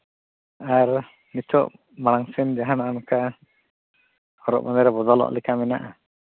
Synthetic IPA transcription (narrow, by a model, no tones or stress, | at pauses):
aɾ | nit͡ʃʰɔʔ | maɽ̃aŋsɛnd͡ʒaɦanaʔanuka | hɔɾɔ̰ʔmɔnd̪ɛɾɛbɔd̪ɔlɔ̰ʔlɛkʰamɛna̰ʔa